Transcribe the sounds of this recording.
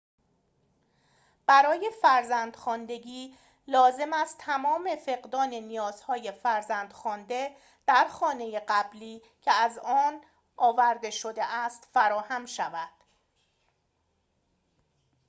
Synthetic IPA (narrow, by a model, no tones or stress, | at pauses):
b̥æɾɒːje̞fæɾzænd̪̥xɒːnd̪e̞ɟiː | lɒːze̞mæst̪ʰæmɒːme̞fe̞ɣd̪ɒːne̞nijɒːz̥hɒːje̞fæɾzænd̪̥xɒːnd̪e̞ | d̪̥æɾxɒːne̞je̞ɢæbliː | cʰeæzɒːn | ʔɒːvæɾd̪e̞ʃod̪eʔæst̪fæɾɒːhæmʃævæd̪̥